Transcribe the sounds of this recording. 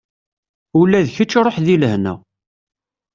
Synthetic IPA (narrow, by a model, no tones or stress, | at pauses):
ulːæðçət͡ʃːɾˤoħðiləhnæ̰